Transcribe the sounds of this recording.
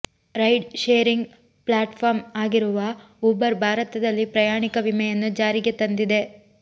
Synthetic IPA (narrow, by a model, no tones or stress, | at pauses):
ɾɐjɖʃeːɾiŋɡ | plaːʈpʰaːɾmaːɡiɾuʋɐ | uːbɐɾbʱaːɾɐt̪ɐd̪ɐlːipɾɐjaːɳikɐʋimɛjɐnːud͡ʒaːɾiɡet̪ɐnd̪id̪e̞